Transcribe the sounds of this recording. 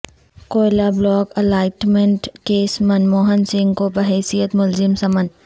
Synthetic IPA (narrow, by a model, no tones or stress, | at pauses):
koːjlablɔːkɐlaːɪʈmẽɳʈkeːsmɐnmoːɦənsɪ̃ŋɡkobəɦɛːsijət̪mʊlzɪmsɐmən